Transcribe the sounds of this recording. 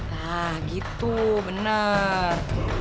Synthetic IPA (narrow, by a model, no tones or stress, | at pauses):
lahɡit̪ubənər